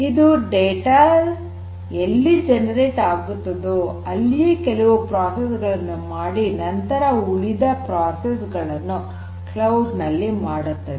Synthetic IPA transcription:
id̪uɖeːʈa | elːid͡ʒɛnɐɾeːʈaːɡut̪ːɐd̪uɐlːiekɛlɐʋupɾaːsesɡɐɭɐnːumaːɽinɐnt̪ɐɾɐuɭid̪ɐpɾaːsesɡɐɭɐnːu | klɐwɖnɐlːimaːɽut̪ːɐd̪

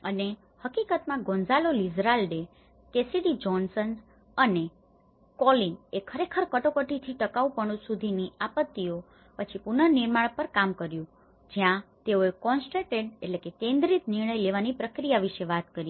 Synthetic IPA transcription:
əne | həkikət̪mãɡõnd͡ʒalolid͡ʒɾalɖe | kesiɖid͡ʒɔnsən | əne | kɔlinekʰəɾekʰəɾkəʈokəʈit̪ʰiʈəkaupəɽ̃ũsud̪ʱiniapət̪ːio | pət͡ʃʰipunəniɾmaɭpəɾkamkəɾjũ | d͡ʒjãt̪eoekɔnsʈeʈeɖeʈlekekẽnd̪ɾit̪nɪɾɳ̃əjleʋanipɾəkɾijaʋiʃeʋat̪kəɾji

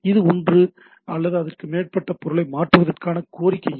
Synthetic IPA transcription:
ɪðɯɔndrɯ | ɐlːɐðɯɐðɐrkɯmeːʈ̚pɐʈːɐpɔɾɯɭɐɪmaːʈrɯʋɐðɐrkaːnɐkoːɾɪkːɐj

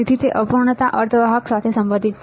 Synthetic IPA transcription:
id̪ʱit̪eʔəpuɾɳət̪aʔəɾt̪ʰəʋaɦəksat̪ʰesəmbə̃nd̪ʱit̪

